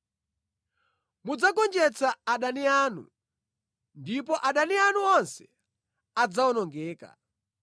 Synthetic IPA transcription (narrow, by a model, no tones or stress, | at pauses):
mud͡zakɔnd͡ʒɛt͡saaɗaniaːnṵ | ndipɔʔaɗanianuɔnsɛ̥ | ad͡zaɔnɔŋɡɛːka̰